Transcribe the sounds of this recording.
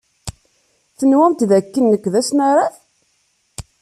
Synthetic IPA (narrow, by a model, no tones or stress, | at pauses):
θənwæmt̪ðækːənːəkʷːðæsnaɾˤaθ